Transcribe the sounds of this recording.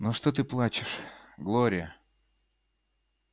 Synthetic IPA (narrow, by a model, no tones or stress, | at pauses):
noʂt̪ot̪̬ɨplˠat͡ɕɪʂɡlˠoɾʲɪjə